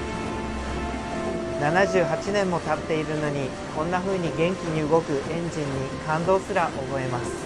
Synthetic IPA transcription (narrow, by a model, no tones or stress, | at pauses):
nanaʑɨːɦat͡ɕinẽ̞mːo̞t̪at̪ːe̞iɾɯ̟no̞ɲ̟i | kõ̞nːaɸɯ̟ːɲ̟iɡẽ̞ŋkʲiɲ̟iɯ̟ɡo̞kɯ̟ʔẽ̞ɲd͡ʑĩɲːikãnd̪o̞ːsɨɾaʔo̞bo̞e̞masɨ̥